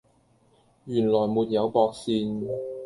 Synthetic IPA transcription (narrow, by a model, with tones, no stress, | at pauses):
jyː˨˩nlɔː˨˩jmuː˧t̚jɐ˨˧wpɔː˧k̚siː˧n